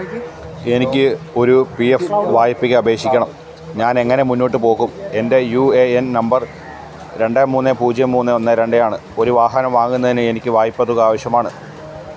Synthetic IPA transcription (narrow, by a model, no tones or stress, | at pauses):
e̞nikʲːɨo̞ɾupiefʋaːjipːiɣɐɐbe̞ːkʂikʲːɐɳɐm | ɲaːne̞ŋːɐne̞munːoːʈ̬ːɨpo̞ːɣume̞nde̞jueennɐmbɐr | ɾe̞ɳɖaːmuːnːepuːd͡ʑjɐmːuːnːeo̞nːɐɾe̞ɳɖejaːɳɨo̞ɾuʋaːɦɐnɐmʋaːŋːunːɐðinɨe̞nikʲːɨʋaːjipːɐt̪ːuɣɐaːʋɐɕjɐmaːɳɨ